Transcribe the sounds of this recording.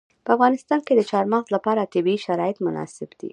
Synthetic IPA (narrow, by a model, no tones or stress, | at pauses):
pəafɣɑnɪst̪ɑnked̪ət͡ʃɑɾmɑɣzlapɑɾat̪ɪbiiʃaɾɑjɪt̪mʊnɑ̰sɪbd̪̥ḭ